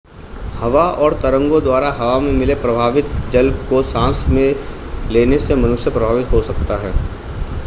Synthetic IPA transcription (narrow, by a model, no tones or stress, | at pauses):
hɐʋaɔːɾt̪ɐɾə̃ŋɡõd̪waːɾaɦɐʋamẽmɪlepɾɐbʱaːʋɪt̪̚d͡ʒɐlbkosãːsmẽ | leːnesemɐnʊʃjəpɾɐbʱaːʋɪt̪ɦosɐkt̪aɦɛː